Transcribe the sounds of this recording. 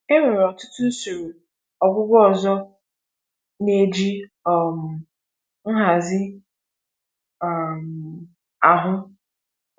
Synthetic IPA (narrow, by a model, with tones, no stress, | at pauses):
e˦me˨ɾɔ˨tʊ˦tʊ˦su˨ɾu˨ | ɔ˨ɡʷʊ˦ɡʷɔ˦ɔ˨zɔ˦ | ne˦d͡ʒi˦ɔ˨m̩˨ | n̩˦ɦa˨zɪ˦˨ | m̩˨ | a˨ɦʊ˦